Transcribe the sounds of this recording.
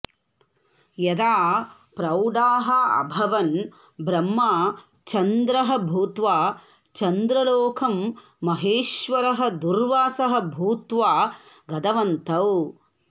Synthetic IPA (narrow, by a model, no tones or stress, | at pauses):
jɐd̪aː | pɾɐwɖaːɦɐɐ̰bʱɐʋɐn | bɾɐmːaː | t͡ʃɐnd̪ɾɐɦɐ̆bʱuːt̪ʋaː | t͡ʃɐnd̪ɾɐloːkʰɐmː | ɐɦeːʃʋɐɾɐɦɐ̆d̪uɾʋaːsɐɦɐbʱuːt̪ʋaːɡɐd̪ɐʋɐnt̪ɐw